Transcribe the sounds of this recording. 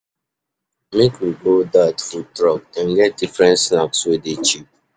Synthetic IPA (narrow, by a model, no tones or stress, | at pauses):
mekwiɡodadfutɹɔk̚ãnɡɛt̚difɹɛ̃ntsnapswɪdet͡ʃip̚